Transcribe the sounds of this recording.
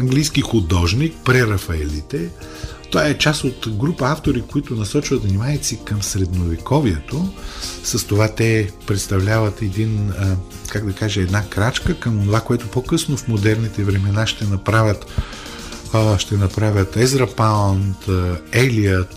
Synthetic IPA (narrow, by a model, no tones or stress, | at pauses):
ɐŋɡlijskixud̪ɔʒnik̚pɾɛɾɐfɐɛlit̪ɛ | t̪ovaɛt͡ʃasot̪ɡɾupəaft̪oɾikoit̪ʊnɐsɔt͡ʃvɐt̪vnimaɛt̪sikəmsɾɛd̪novikɔviɛt̪osɐst̪ovat̪ɛpɾɛt̪st̪ɐvlʲavət̪ɛd̪inə | kaɡd̪ɐkaʒɛɛd̪nakɾat͡ʃkəkəmonovakoɛt̪opokɤsnofmod̪ɛɾnit̪ɛvɾɛmɛnaʃt̪ɛnɐpɾavʲət̪ | ʃt̪ɛnɐpɾavʲət̪ɛzɾɐpant̪ɛliət̪